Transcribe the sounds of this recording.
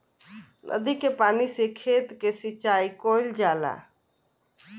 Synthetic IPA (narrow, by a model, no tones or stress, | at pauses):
nʔə̰d̪ikepaːnisekʰeːt̪kesit͡ʃaːikoɪld͡ʒaːla̰